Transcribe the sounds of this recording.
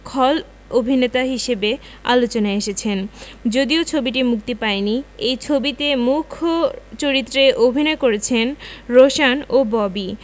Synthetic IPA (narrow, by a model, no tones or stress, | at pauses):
kʰɔl | obʱinet̪aɦiʃebe | a̰lot͡ɕonaeʃet͡ɕʰend͡ʑod̪iot͡ɕʰobiʈimuk̚t̪epaeniejt͡ɕʰobit̪emukʰːot͡ɕoɾit̪ːɾeʔobʱinɔekoɾet͡ɕʰenɾoʃanobɔbi